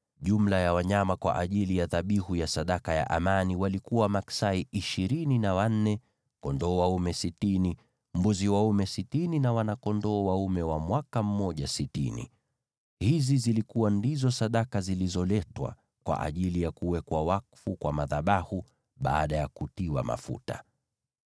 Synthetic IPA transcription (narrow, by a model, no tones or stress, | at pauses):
ʄum̩lajawaɲamakwa̰ʔaʄilijaðaɓihujasaɗakaja̰ʔamaniwalikuwamaksaiʔiʃiɾininawan̩nɛ | kɔndɔːwaumɛsitini | m̩buziwaumɛsitininawanakɔndɔːwaumɛwamwakam̩mɔʄasitḭnḭ | hizizilikuwandizɔsaɗakazilizɔlɛtwa̰ | kwa̰ʔa̰ʄilijakuwɛkwawakfukwamaðaɓahu | ɓaːɗajakutiwa̰ma̰fṵta̰